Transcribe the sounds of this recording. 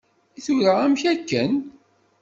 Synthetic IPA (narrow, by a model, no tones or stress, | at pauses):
iθuɾaæmçækːən